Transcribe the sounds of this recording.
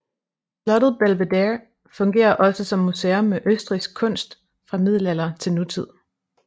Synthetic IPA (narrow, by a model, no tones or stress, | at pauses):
slɒ̽ɾ̥ð̩ˠb̥ælʋed̥eɐ | fɔ̽ŋɡ̥e̝̰ːɐʔɒ̽səsɒ̽mːuseomːeʔøsd̥ʁisɡ̥̚kʰɔ̽n̰sd̥ | fʁɑ̈mið̞̰ˠl̩æl̰ɐt͡sʰe̝lnut͡sʰið̞̰ˠ